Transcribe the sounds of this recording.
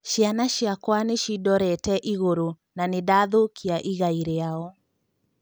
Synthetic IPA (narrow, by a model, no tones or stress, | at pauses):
ʃianaʃiakwaneʃidɔɾɛtɛʔiɣoɾo | nanedaðokʰiaʔiɣaiɾeaɔ